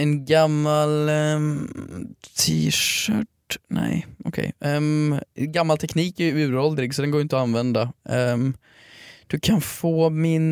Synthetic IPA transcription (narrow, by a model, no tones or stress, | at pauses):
ɛnɡamːal | t̪ʰiːʃœːʈ | nɛ̰jɔ̰kʰɛ̰j | ɡamːalt̪ʰɛkniːkæɾʉ̟ːɾɔld̪ɾɪɡsɔd̪ɛnɡoːɾjʏɪnt̪ɔanvɛnd̪a | d̪̥ɵkʰanfoːmɪn